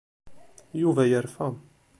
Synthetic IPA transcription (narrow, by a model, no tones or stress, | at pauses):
juvæjəɾfæm